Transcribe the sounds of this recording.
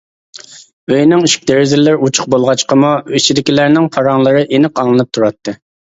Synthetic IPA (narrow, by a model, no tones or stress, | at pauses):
øjnɪŋiʃkʲd̪eɾɪzɪlːɪɾut͡ʃʰʊ̥q̚bolˠʁɑt͡ʃqʰəmuit͡ʃʰid̪ɪkʲilæɾnɪŋqʰɑɾɑŋlˠəɾɨʔenɨqɑŋlˠɨnɨp̚t̪ʰuɾɑt̪ʰːɨ